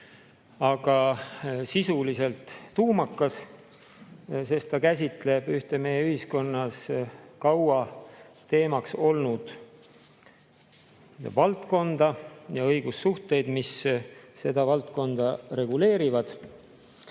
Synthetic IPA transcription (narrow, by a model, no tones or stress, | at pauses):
ɑɡ̥ɑsisulise̞lt̪ːuːmɑkːˑɑs | se̞st̪ːɑkæs̬ʲit̪ˑle̞b̥yht̪e̞me̞jeyhisko̞nːɑskɑwɑt̪e̞ːmɑkso̞lnud̪̥ | vɑlt̪ko̞nd̪̥ɑjɑɤ̞jɡ̥usːuht̪e̞jd̪̥misse̞d̪̥ɑvɑlt̪ko̞nd̪̥ɑɾe̞ɡule̞ːɾivɑd̪̥